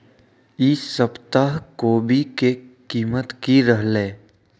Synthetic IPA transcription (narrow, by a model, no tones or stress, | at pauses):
iːsəpt̪aɦkoːbʱikekiːmət̪kiɾəɦleː